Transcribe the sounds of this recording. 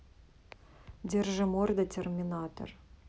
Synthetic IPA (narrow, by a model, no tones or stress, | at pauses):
d̪ʲerʒəmord̪ətʲerʲmʲinɑt̪o̰r